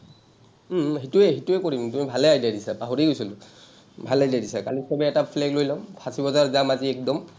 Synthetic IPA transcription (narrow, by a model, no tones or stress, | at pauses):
ɦituɛɦituɛkoɹimtumibʱalɛajdadisapaɦoɹiɡojsilʊ | bʱalajdadisakalisɔbɛɛtapʰlɛklojlɔpʰasibɔzaɹzamaziɛkdɔm